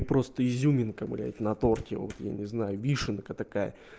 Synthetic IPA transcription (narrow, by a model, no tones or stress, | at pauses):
pɾo̞st̪əizʲumʲɪnkəmɨ̰lʲɪɛ̰tʲɪnɐt̪o̞rkʲɪvot̪ja̰nʲɪznajʊvʲiʂɨnkət̪ɐkajə̰